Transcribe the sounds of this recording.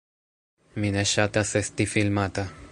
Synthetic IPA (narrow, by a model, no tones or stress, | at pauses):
mineʃat̪asest̪ifilmat̪a